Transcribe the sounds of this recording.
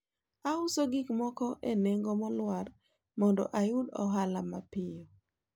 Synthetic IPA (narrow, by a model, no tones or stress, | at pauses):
aʊsoɡikmɔkɔʔeneŋɡɔmɔlwar | mɔndɔ̰ʔajʊdɔ̰ɦalamapɪjo